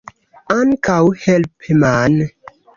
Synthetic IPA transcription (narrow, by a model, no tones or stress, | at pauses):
ankawhɛlpeman